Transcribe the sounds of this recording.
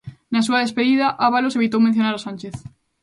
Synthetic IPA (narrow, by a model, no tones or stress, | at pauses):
nasuaðespeðiðaʔaβaloseβit̪owmẽn̟θjonaɾasãnt͡ʃeθ